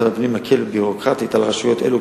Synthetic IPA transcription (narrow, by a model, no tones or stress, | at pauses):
elapnimhakʰelbiʁokʁat̪italʁaʃujot̪elu